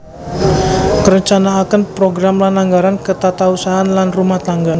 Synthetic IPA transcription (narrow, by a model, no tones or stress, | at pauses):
kəɾəɲt͡ʃanaːkənpɾoɡɾamlanlaŋɡaɾankət̪at̪ausaɦanlanrumaht̪aŋɡa